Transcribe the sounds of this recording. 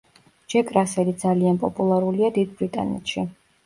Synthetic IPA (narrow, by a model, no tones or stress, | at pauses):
d͡ʒɛkʼɾasɛlid̪zalianpʼɔpʼulˠaɾuliad̪id̪̚bɾit̪ʼa̰nɛ̰t̪ʃi